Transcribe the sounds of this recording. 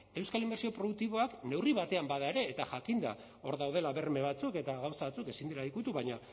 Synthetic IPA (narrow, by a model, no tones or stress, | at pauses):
e̞wskalimbe̞ɾsio̞pɾo̞ðuk̚t̪iβ̞o̞akne̞wriβat̪e̞ambaðaeɾe̞ːt̪aʝakind̪a̰ | o̞ɾðawð̞e̞laβe̞rme̞βat͡suke̞t̪aɣawsaβat͡suke̞sind̪ilaikut̪uβajɲa